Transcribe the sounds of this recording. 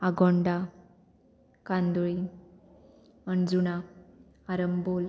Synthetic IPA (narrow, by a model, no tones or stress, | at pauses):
aɡoɳɖa | kand̪uɭi | mənd͡zuna | aɾəmbol